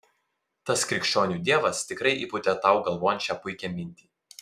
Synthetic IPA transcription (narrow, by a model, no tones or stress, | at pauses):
t̪ɐskɾʲɪkʃʲt͡ʃʲoːnʲuːd̪ʲiɛʋɐst̪ʲɪkɾɐɪʔiːpʊt̪ʲɛt̪ɐʊɡɐlˠʋoːjɛnt͡ʃʲɛpʊɪkʲɛmʲɪnʲt̪ʲiː